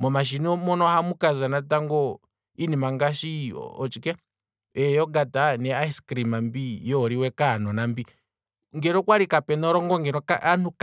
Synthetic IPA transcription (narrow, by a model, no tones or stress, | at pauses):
mɔmaʃ̬inɔmɔnɔhamukazanataŋɡɔ | inimaŋɡaʃḭɔt͡ʃikɛ | ɛjɔɡatanɛaiskɾimambijɔːɾiwɛkanɔnambi | ŋɡɛɾɔkwaɾikapɛnɔɾɔŋɡɔŋɡɛɾɔkaanuk